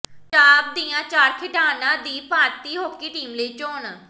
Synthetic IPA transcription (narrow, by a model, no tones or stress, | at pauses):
t͡ʃaːp̚d̪iːjãːt͡ʃaːɾkʰɪʈaːnãːd̪iːpaːɾt̪iːɦoːkiːʈiːmləiːt͡ʃoːn